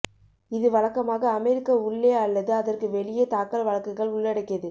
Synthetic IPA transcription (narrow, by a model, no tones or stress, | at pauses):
ɪðɯʋɐɭɐkːɐmaːɣɐːmɛɾɪkːɐʊɭːeːɐlːɐðɯɐðɐrkɯʋɛɭɪjɐt̪aːkɐlʋɐɭɐkːɯɣɐɭʊɭːɐɽɐɪkːɪɐðɯ